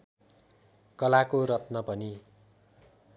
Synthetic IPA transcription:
kʌlakoɾʌt̪nʌpʌni

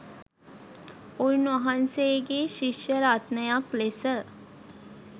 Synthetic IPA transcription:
ujnʋɐɦansejɡeʃiʃjəɾat̪nəjaklesə

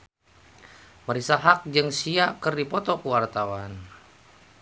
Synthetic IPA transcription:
məɾisaɦak̚d͡ʒɨŋsiakərdipɔt̪ɔkəwart̪awan

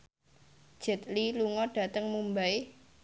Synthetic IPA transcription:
d̥ʒ̥ə̤t̪̚liluŋɔɖ̥a̤t̪əŋmumbae

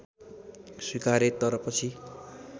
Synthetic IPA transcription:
swikaɾet̪ʌɾʌpʌt͡sʰi

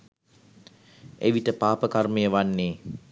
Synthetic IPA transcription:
ʔḛʋiʈəpaːpəkarməjəʋanːeː

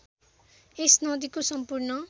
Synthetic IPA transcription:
esnʌd̪ikosʌmpurnʌ

